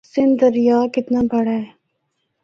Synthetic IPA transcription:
sɪ̃nd̪ɐɾjaːkɪt̪nabɐɽaɦɛː

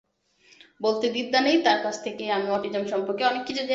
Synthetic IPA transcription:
bolt̪ed̪id̪ʱːanejt̪aɾkat͡ɕʰt̪ʰekeamiɔʈid͡ʑamʃɔmpoɾkeɔnekːit͡ɕed͡ʑe

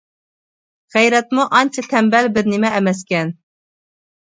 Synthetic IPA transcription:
ʁæjɾɛt̪muʔɑnt͡ʃʰɑt̪ʰɛmbɛlbɪɾnɪmɛːmɛskʲɛn

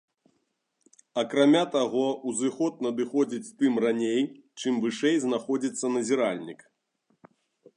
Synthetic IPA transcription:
ɐkɾamʲat̪aɣɔuzɨxɔt̪̚nɐd̪ɨxɔd͡zʲit͡sʲt̪ɨmranʲejt͡ʂɨmvɨʂɛjznaxɔd͡zʲit̪sːɐnɐzʲiɾalʲnʲik

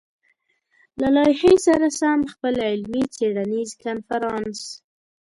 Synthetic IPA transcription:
lalɑjhesaɾasamxpəlɪlmit͡seɽanizkanfaɾɑns

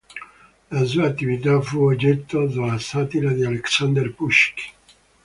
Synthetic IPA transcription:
nazuat̪ːivit̪afuoɟet̪ːod̪olasat̪iɾad̪ialɛksand̪ɛɾpuʃk

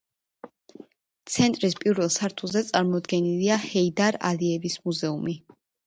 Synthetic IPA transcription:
t̪sʰɛnt̪ʼɾispʼiɾvɛlˠsaɾt̪ʰulˠzɛt̪sʼaɾmɔd̪ɡɛniliahɛid̪aɾa̰liɛvismuzɛumi

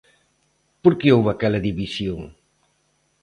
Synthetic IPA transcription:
poɾkeowβakɛlɐðiβisjoŋ

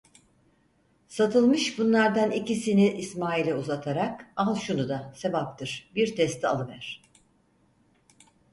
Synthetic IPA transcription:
sat̪ʰɯlˠmɯʃbunlˠaɾd̪anicisiniʔːsmaːilʲɛuzat̪ʰaɾakalˠʃunud̪ase̞bap̚t̪ʰɯɾ̥biɾt̪ʰɛst̪ʰia̰lˠɯvæɾ̝̥

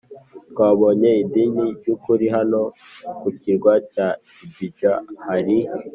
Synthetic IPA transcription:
t̪kwaːβoɲe̞idiɲiɾɟukuɾiɦano̞ | kuciɾɡwaca | ibit͡ʃahaɾi

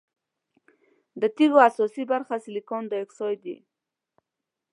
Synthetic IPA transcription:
d̪ət̪iɣoasɔsibaɾxasɪlikɔnd̪əɪksɔjd̪ḭ

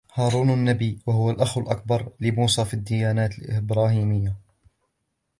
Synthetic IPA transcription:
hɑːɾˤuːnanːabiːwahʊwalʔaxwalʔak̚bɑɾˤlɪmuːsɑːfid̪ːɪjaːnaːt̪ɪlɪbɾɑːhiːmɪjːa

